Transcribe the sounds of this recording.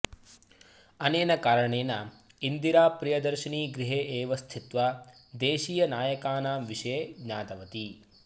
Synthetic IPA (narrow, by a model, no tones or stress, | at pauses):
ɐneːnɐkaːɾɐɳeːnɐ | ind̪iɾaːpɾijɐd̪ɐɾʃiɳiːɡɾiɦeːʔeːʋɐst̪ʰit̪ʋɐd̪eːʃiːjɐnaːjɐkaːnaːmʋiʃɐjeːɡɲaːt̪ɐʋɐt̪i